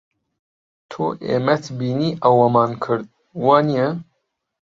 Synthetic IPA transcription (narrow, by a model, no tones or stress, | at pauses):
t̪ʰo̰ːʔḛːmɛt̪biːniːʔɐwɐmɑːnkʰɨɾd̪̚ | wɑːnijɛ